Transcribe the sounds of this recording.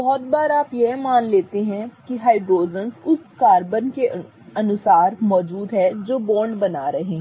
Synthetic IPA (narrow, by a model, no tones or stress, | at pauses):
bɔːt̪̚baːɾaːpjeɦmaːnleːt̪eɦɛ̃kiɦaːɪɖɾoːzənsʊskaːɾbənke | ɐnʊsaːɾmɔːd͡ʒuːd̪ɦɛd͡ʒoːbɔ̃ːɳɖbɐnaːɾɐɦẽː